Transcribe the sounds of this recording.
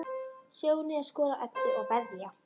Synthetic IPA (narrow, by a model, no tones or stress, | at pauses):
sjoːwnɪaskɔːlaʔœt̪ːɪɔɣvɛðja